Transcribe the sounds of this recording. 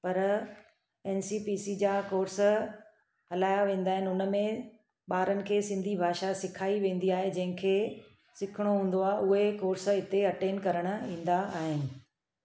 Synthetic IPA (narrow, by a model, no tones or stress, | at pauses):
pɐɾ | ɛːnsiːpiːsid͡ʑaːkoːɾs | hɐlaːjaʋẽːn̆d̪aːɦɪnɪʊnə̆mẽ | ɓaːɾənɪ̆kʰeːsɪ̃nd̪ʱibʱaːʃasɪkʰaːiʋẽːn̆d̪iaːɦed͡ʑɐ̃ɦɪ̃kʰeː | sɪkʰɪɽ̃oɦũːnd̪oaːɦeʔʊɦekoːɾsɪt̪eɐʈeːnkɐɾəɽ̃ʊ̆ĩːn̆d̪aaːɦɪnɪ̆